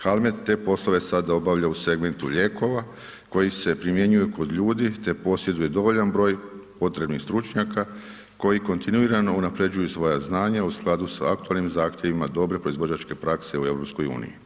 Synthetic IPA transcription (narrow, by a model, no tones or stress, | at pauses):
xalˠme̞t̪t̪ːe̞po̞slˠo̞ʋe̞sad̪ao̞baʋʎause̞ɡme̞nt̪uʎe̞ːko̞ʋa | ko̞jise̞pɾimje̞ɲujeko̞d̪ʎuːd̪it̪e̞po̞sje̞d̪uje̞d̪o̞ʋo̞ʎanbɾo̞ːjpo̞t̪ɾe̞bnixst̪ɾut͡ʃɲaka | ko̞jiko̞nt̪inuiɾano̞unapɾe̞d͡ʑujusʋo̞jaznaːɲausklˠad̪usaakt̪ualnimzaːxt̪ʲje̞ʋimad̪o̞bɾe̞pɾo̞izʋo̞d͡ʑat͡ʃke̞pɾakse̞ue̞ʋɾo̞psko̞jṵːnḭjḭ